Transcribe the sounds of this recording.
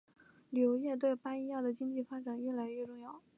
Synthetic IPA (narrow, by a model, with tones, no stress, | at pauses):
ljo˧˥ʊjɛ˥˧t̪̬we˥˩ɪpa˥ni˥jɑ˥˩d̪ə˩t͡ɕi˥ŋt͡ɕi˥˩fa˥ʈ͡ʂa˨˩nɥɛ˥˩la˧˥ɪɥɛ˥˧ʈ͡ʂʊ˥˧ŋjɑ˥˩ʊ